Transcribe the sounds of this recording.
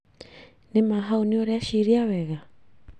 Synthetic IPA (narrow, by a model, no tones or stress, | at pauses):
nemaɦaunioɾeaʃiɾiawɛɣa